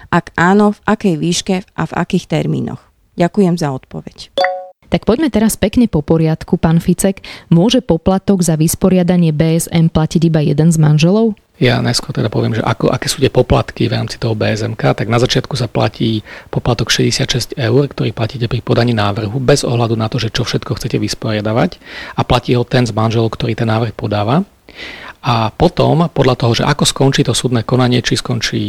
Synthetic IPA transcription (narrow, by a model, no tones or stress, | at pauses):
ʔaɡʔaːnɔvʔakɛjʋiːʃkɛʔa̰va̰kiːxt̪ɛɾmḭːnɔ̰x | ɟakujɛmzaɔt̪pɔʋɛct̪ak̚pɔɟmɛt̪ɛɾaspɛkɲɛpɔpɔɾɪat̪kupaːnfit͡sɛkmʊɔʒɛpɔplat̪ɔɡzaʋispɔɾɪad̪aɲɪɛbɛːɛzɛnplaciɟibajɛd̪ɛnzmanʒɛlɔʊ | janajskʊɔɾt̪ɛd̪apɔʋɪɛmʒɛ̰ʔa̰kɔ̰ʔakɛːsuːt̪ɪɛpɔpla̰t̪kivɾa̰ːmt͡sit̪ɔɦɔbɛːɛzɛmkaːt̪aɡnazat͡ʃɪat̪kusapla̰ciːpɔplat̪ɔkʃɛɟɛsɪat̪ʃɛscɛʊrkt̪ɔɾiːplaciːcɛpɾipɔd̪aɲiːnaːʋr̩ɦubɛzɔ̰ɦlad̪unat̪ɔʒɛt͡ʃɔfʃɛt̪kɔxt͡sɛcɛʋispɔɾɪad̪aʋacaplaciːɦɔt̪ɛnzmanʒɛlɔʊkt̪ɔɾiːt̪ɛnːaːʋr̩xpɔd̪aːʋa | ʔapɔt̪ɔmpɔd̪ʎat̪ɔɦɔʒɛ̰ʔakɔskɔnt͡ʃiːt̪ɔsuːd̪nɛːkɔnaɲɪɛt͡ʃiskɔnt͡ʃiː